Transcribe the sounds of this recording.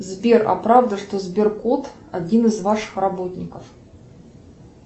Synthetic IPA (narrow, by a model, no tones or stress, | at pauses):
zbʲerɐ̰pɾavd̪əʂt̪ozbʲɪrkot̪ | ɐdʲinɨzvaʂɨ̥xrɐbo̞t̪ʲnʲɪkəf